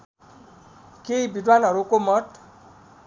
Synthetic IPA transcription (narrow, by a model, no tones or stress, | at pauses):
kejbid̪wanɔɾukomɔʈ